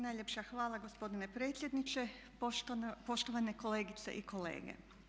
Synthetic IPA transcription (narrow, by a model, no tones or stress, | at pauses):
najʎʲe̞pʃaxʋaːlaɡo̞spo̞d̪ine̞pɾe̞ːt̪sʲje̞d̪nit͡ʃe | po̞ʃt̪oʋane̞ko̞le̞ːɡit̪se̞̰ʔiko̞lḛːɡḛ